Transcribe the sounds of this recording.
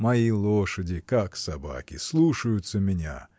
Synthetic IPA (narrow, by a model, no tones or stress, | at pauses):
mɐjilˠoʂədʲɪkaksaba̰kʲɪslˠuʂəjʊt̪səmʲɪnʲa̰